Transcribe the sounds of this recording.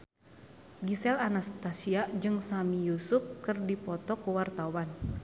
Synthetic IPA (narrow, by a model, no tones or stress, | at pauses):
ɡisɛlanast̪asiad͡ʒɨŋsamijusup̚kɨrdipɔt̪ɔkuwart̪awan